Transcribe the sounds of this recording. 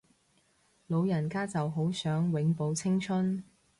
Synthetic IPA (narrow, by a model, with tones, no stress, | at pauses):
lo˨˧wjɐ˨˩nkaː˥t͡sɐ˨wɦo˨˥wsœː˨˥ŋwɪ˨˥ŋpo˨˧wt͡sʰɪ˥ŋt͡ʃʰɵ˥n